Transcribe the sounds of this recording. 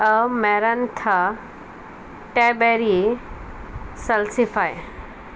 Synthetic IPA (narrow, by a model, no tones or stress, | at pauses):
ɐmeɾɐnt̪ʰɐ | ʈebeɾi | sɐlsifaj